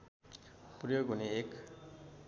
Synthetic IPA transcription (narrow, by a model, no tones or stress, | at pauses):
prjoɡʱuneek